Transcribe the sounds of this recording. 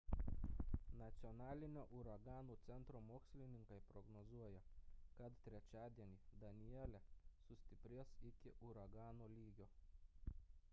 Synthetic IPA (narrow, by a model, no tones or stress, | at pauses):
nɐt̪sʲɪɔnɑːlʲɪnʲoːʔʊɾɐɡɑːnuːt̪sʲɛnt̪ɾoːmoːksʲlʲɪnʲɪŋkɐɪpɾɔɡnɔzuɔjɛkɐt̪t̪ʲɾʲɛt͡ʃʲæːd̪ʲiɛnʲiːd̪ɐnʲɪjɛlʲɛsʊsʲt̪ʲɪpʲɾʲiɛsɪkʲɪʔʊɾɐɡɑːnoːlʲiːɡʲoː